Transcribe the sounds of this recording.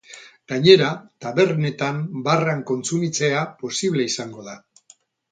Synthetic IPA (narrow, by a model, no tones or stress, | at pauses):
ɡ̥aɲe̞ɾat̪aβe̞rne̞t̪ambaraŋko̞nt͡sumit͡se̞apo̞siβle̞isaŋɡo̞ða